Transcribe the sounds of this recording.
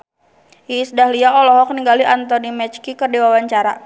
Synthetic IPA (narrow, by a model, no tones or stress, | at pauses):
isdahliaɔlɔɦɔk̚niŋɡaliʔant̪ɔnimɛt͡ʃkikərdiwawaɲt͡ʃaɾa